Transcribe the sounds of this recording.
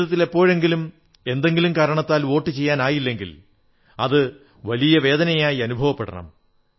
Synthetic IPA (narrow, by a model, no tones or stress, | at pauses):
ɐt̪ːile̞pːo̞ːɻe̞ŋɡilum | e̞nd̪e̞ŋɡilumkaːɾɐɳɐt̪ːaːlo̞ːʈːɨt͡ɕe̞jːaːnaːjilːe̞ŋɡḭl | ɐðɨ | ʋɐlijɐʋe̞ːd̪ɐnɐjaːjiɐnubʱɐʋɐpːeɽɐ̰ɳɐ̰m